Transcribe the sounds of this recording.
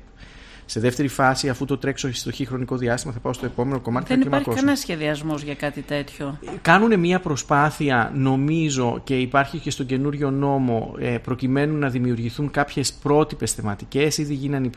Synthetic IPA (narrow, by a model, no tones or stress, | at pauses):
se̞ðe̞ft̪e̞ɾifɐsiɐfut̪o̞t̪ɾe̞ksost̪oçixɾo̞niko̞ðiɐst̪imɐθɐpɐo̞st̪oe̞po̞me̞no̞ko̞mɐt̪ikeniemɐɾçkoɐnɐsçe̞ðiɐzmozʝɐkɐt̪it̪e̞t̪çokɐnune̞miɐpɾo̞spɐθiɐno̞mizo̞ce̞ipɐɾçice̞st̪o̞ɟe̞nuɾʝo̞no̞mo̞pɾo̞cime̞nunːɐðimiuɾʝiθuŋkɐpçe̞spɾo̞t̪ipe̞sθe̞mɐt̪ice̞siðiʝinɐnip